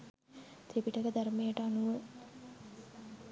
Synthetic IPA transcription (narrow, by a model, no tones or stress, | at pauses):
t̪ʰepiʈəkəd̪ɐɾmejəʈəanuʋə